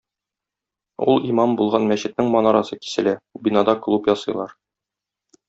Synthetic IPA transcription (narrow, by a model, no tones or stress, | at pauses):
ulˠimɑmbulˠʁɑnmæɕɘ̆t̪nɘŋmɒnɑɾɑsɤki̥sɘ̆læbinɑd̪ɑklˠupjɒsɤ̆jlˠɑɾ